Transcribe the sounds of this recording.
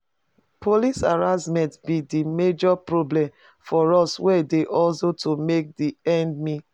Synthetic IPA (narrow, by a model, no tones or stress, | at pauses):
polisaɹasmɛ̃ntbidimed͡ʒɔpɹoblɛ̃m | fɔɹɔswɛdeʔɔlsotʰomek̚diɛ̃nd̚mĩ